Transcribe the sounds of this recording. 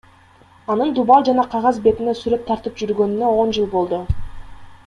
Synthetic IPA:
ɑnɯnd̪ubɑlˠd͡ʒɑnɑqʰɑʁɑzbe̞t̪inesyɾe̞t̪ʰːɑɾt̪ɯp̚d͡ʒyɾɡø̞nynøo̞nd͡ʒɯlˠbo̞lˠd̪u

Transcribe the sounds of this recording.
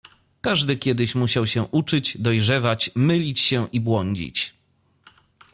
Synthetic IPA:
kaʐd̪ɘkʲjɛd̪ɘɕmuɕawɕɛʔut͡ʂɘd͡ʑd̪ɔjʐɛvat͡ɕmɘlʲit͡ɕɕɛ̃ʔibwɔɲd͡ʑḭt͡ɕ

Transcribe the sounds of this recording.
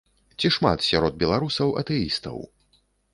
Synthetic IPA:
t͡sʲiʂma̰t̪sʲaɾɔd̪̚bʲɛlˠaɾusɐwɐ̰t̪ɛist̪ɐ̰w

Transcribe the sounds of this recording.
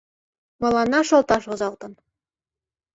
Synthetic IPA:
mɤ̆lˠɑnɑʃolt̪ɑʃozɑlt̪ɤ̆n

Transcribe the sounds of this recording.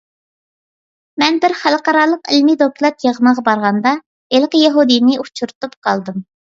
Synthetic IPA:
mɛnbɪɾχælˠqɑɾɑːlˠəqɪlmid̪oklˠɑt̪jeʁəməʁɑbɑɾʁɑnd̪ɑ | elqəjɛɦud̪ijnɪut͡ʃʰuɾt̪upqʰɑlˠd̪ɨm

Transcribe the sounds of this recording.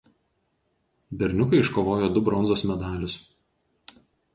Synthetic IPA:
bʲɛɾʲnʲʊkɐɪɪʃkoːʋoːjoːd̪ʊbɾɔnzoːsmʲɛd̪ɑːlʲʊs

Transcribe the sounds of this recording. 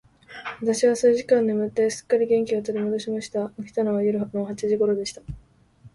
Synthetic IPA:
βat̪aɕiβasɨʑikãnd̪emɯ̟t̪ːe̞sɨ̥kːaɾʲiɡẽ̞ŋkʲiot̪o̞ɾʲimod̪o̞ɕimaɕi̥t̪aokʲi̥t̪ano̞βajoɾɯ̟noɦat͡ɕiʑiɡo̞ɾo̞d̪e̞ɕi̥t̪ḁ

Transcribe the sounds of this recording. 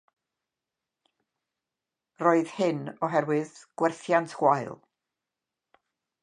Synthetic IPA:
roːɨð̥hɪnɔɦɛɾwɨðɡ̥wɛrθjantʰhwaɨlˠ

